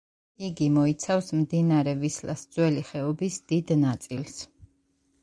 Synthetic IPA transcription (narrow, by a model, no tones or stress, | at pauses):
iɡimɔit̪sʰafsmd̪inaɾɛvisla̰sd̪zwɛliχɛɔbisd̪̥id̪nat̪sʼils